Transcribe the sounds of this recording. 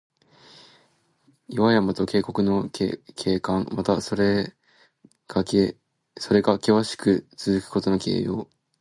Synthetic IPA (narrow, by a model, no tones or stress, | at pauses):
jiβajamat̪o̞ke̞ːko̞kɯ̟no̞kʰe̞ːkãŋmat̪asoɾe | ɡ̥a | so̞ɾe̞ɡakʲeβaɕi̥kɯ̟t͡sɨzɨkɯ̟̥ko̞t̪o̞no̞ke̞̰ːjo̞̰ː